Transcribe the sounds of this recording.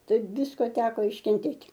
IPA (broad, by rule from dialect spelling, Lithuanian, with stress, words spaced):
tɐɪp ˈʋʲɪskoː ˈtʲæːkoː ɪʃʲkʲɛnʲˈtʲeːtʲ